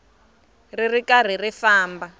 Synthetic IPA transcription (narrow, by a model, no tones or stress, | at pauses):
ririkar̤irifaːmba